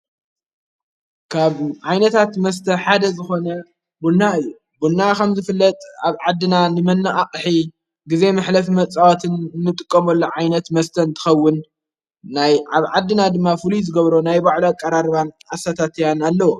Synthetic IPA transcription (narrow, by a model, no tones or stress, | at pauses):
kʰaβʕajnɐt̪ʰat̪mɐs̬t̪ʰɐħad̪ɐzɨxo̞nɐ | bunːaɨjːu | bunːakʰɐmzɨfɨlːɐt̪ʼaβʕad̪ːɨnanɨmɐnːɨʔaχʼħi | ɡize̞mɨħlɐfmɐt͡sʼawot̪ʰɨnnːɨt̪ʼɨkʼːɐmɐlːoʕajnɐt̪mɐst̪ʰɐɨnt̪ʰɨ̥xɐwːʊnː | ajaβʕad̪ːɨnad̪ɨmːafɨluzɨɡɐβɾonajbaʕloakʼːɐɾaɾβanasat̪ʰat̪ʰjanalːɐwo